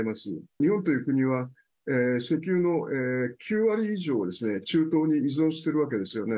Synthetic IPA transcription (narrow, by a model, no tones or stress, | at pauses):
emasɨɲ̟ihõ̞nt̪o̞jɯ̟ːkɯ̟ɲ̟iβa | eːse̞kʲɨːno̞eːkʲʰɨːβaɾʲiːʑo̞ːod̪e̞sɨne̞t͡ɕɨːt̪o̞ːɲ̟iːzɨõ̞ɰ̃ɕi̥t̪e̞ɾɯ̟βake̞d̪e̞sɨjo̞ne